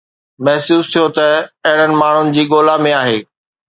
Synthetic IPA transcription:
mɐɦsuːst̪ʰijot̪ɐɐɦɪɽ̤ənɪ̆maːɳ̤ʊnɪ̆d͡ʑiːɠoːlamẽaːɦeː

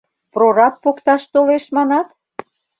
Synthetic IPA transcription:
prorɑt̪̚pokt̪ɑʃt̪oleʃmɑnɑt̪

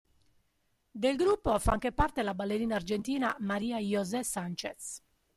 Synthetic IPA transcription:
d̪elɡɾupːofa̰ŋk̟epart̪elabalːeɾiːnaːrd͡ʒent̪iːnamaɾiːajɔzɛsant͡ʃet̪s

